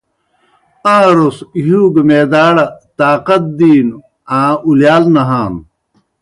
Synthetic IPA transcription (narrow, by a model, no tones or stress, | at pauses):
ãːɾosɦuːɡmeːd̪aːɽɐt̪aːqɐt̪̚d̪iːn | ãːuljaːlnɐɦaːn